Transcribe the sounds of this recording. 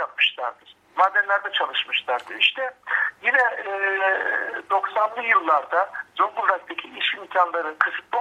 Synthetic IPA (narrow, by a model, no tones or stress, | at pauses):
ap̚mɯʃlˠa̰ɾd̪ɯɾ̥ | maːd̪ːɛnlʲæɾd̪ɛt͡ʃʰalˠɯʃmɯʃlˠaɾd̪ɯɾiʃt̪ʰɛjinɛː | d̪o̞ksand̪ijɯlˠːaɾd̪azoŋɡunɾɛst̪ʰecʰiiʃimcʲʰanlˠaɾɯkʰɯsɯ̥t̪̚lˠa